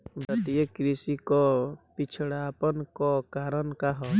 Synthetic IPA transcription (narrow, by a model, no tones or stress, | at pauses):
bət̪ijəkɾisikɔpit͡ʃʰɽaːpənkɔkaːɾənkaɦɔ